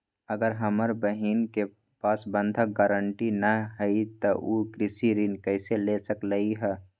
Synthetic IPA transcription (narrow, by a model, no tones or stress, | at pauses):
əɡəɾɦəməɾbəɦiːnke | paːsbə̃nd̪ʱəɡaːɾəɳʈinəɦəit̪əʔukɾɪsiɾinkəɪselesəkləiɦɛː